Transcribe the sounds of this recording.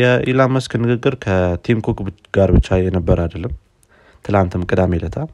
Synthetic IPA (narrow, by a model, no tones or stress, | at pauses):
jɛʔilamːəskʰɨnːɨɡɨɡːɨɾkʰət̪ʰimkʰokʼɡ̥aɾbɨt͡ʃːajɛnəbːəɾad̪əlːəm | t̪ʰɨlamt̪ʰɨmkʼɨd̪amelət̪ʰa